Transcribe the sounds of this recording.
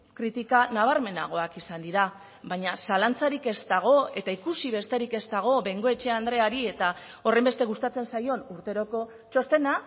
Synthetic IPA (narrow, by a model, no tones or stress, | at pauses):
kɾit̪ikanaβ̞aɾme̞na̰ɣ̞o̞akisand̪iɾa | βaɲasalant͡saɾike̞zt̪aɣ̞o̞e̞t̪aikusiβe̞st̪e̞ɾike̞st̪aɣ̞o̞βe̞ŋɡo̞e̞t͡ʃe̞and̪ɾe̞aɾie̞t̪a | o̞re̞mbe̞st̪e̞ɣ̞ust̪at͡se̞nsajo̞nuɾt̪e̞ɾo̞ko̞ | t͡ʃo̞st̪e̞na